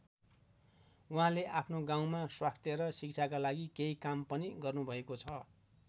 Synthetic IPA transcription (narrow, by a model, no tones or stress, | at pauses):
uɦãleʔapʰnoɡãw̃maswast̪ʰjeɾʌsik̚t͡sʰakalaɡikeikampʌniɡʌrnubʱʌekot͡sʰʌ